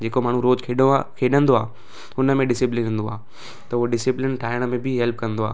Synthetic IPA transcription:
d͡ʑeːkomaːɳ̤ũɾoːd͡ʑkʰekʰeːɗə̃nd̪oaː | ʊnəmẽɖɪsɪplɪnɦʊ̃ːnd̪oaː | t̪ɐuɦoɖɪsɪplɪnʈʰaːɪəɽ̃əmẽbʱɪɦɛlp̚kɐ̃nd̪oa̰ː

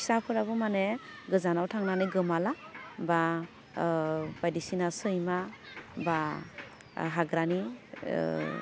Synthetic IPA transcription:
isapʰɯɾabɯmaneɡɯzanawtʰaŋnanɯɡɯmalaba | bajdisinasɯjmaba | ɦaɡɾani

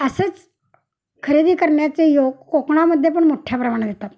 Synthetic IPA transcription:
əsət͡s | kʰəɾed̪iːkəɾɳjat͡sejoɡkokɳaməd̪ʱːjep̬əɳmoʈʰjapɾəmaɽ̃d̪et̪at̪

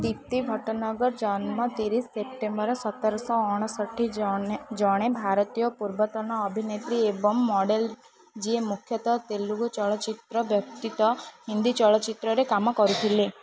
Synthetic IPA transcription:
d̪ip̚t̪iɡʱɔʈnəɡəɾd͡ʒanmãt̪iɾisːep̚ʈembəɾsət̪ːəɾsɔɔɽ̃səʈʰːid͡ʒɔɽ̃ebʱaɾt̪ijɔpuɾbət̪ɔnaːbʱinet̪ɾiebɔmːɔɖel | d͡ʒiemukʰjət̪ɔt̪elːuɡt͡ʃɔɭɔt͡ʃit̪ɾəbjəp̚t̪it̪ɔɦind̪it͡ʃɔɭɔt͡ʃit̪ɾɔɾekamɔkɔɾut̪ʰile

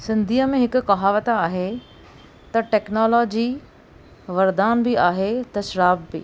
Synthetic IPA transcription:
sɪ̃nd̪ʱiːəmẽɦɪkʊ̆kɐɦaːʋət̪aaːɦe | t̪ɐʈɛːknɔːlɔːd͡ʑi | ʋɐɾd̪aːnbɪaːɦet̪ɐʃɾaːbbɪ̰

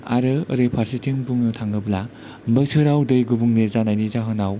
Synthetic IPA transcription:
a̰ɾɯɾepʰaɾsitʰiŋbuŋnɯtʰaŋɡɯbla | mbɯjsʰɯɾawdɯjɡubuŋnezanajnizaɦɯnaw

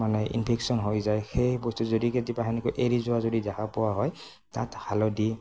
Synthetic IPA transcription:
manɛʔḭnpʰeksɔnɦojzajxejbɔstuzodiketipaɦanikojʔeɹizʊwazodizakapɔwaɦɔj | tathalɔdi

